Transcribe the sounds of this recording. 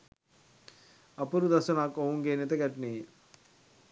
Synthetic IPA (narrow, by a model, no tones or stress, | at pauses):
ɐpːuɾud̪ɐsunaːkouŋɡeːnit̪ɐɡɐʈni